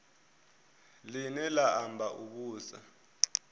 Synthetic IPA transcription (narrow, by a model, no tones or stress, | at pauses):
linɛlaambʱaʔuk̬uːsa̰